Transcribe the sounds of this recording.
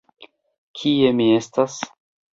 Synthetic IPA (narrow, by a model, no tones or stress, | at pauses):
kʰie̞mie̞stas